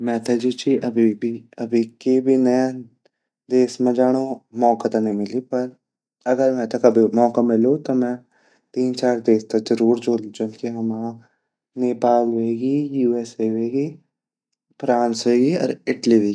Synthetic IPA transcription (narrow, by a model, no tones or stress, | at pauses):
mɛ̃ːt̪ɛd͡ʒoːt͡ʃiʔəbʱibiːəbʱiːkeːbʱiːnəjã | d̪eːsmɛ̃ːd͡ʒaːɽ̃oːmɔːkat̪ãnəɦĩːmɪliːpəɾ | əɡəɾmɛ̃ːt̪əkəbimɔːkaːmɪloːt̪ãːmɛ̃ː | t̪iːnt͡ʃaːɾd̪eːst̪ad͡ʒəɾuːɾd͡ʒoːld͡ʒoːnkeɦəmãː | neːpaːlɦeːɡiːjuːɛːseːʋeːɡiː | pɾaːnsɦoːɡiːɔ̰ːɾɪʈliʋeːɡi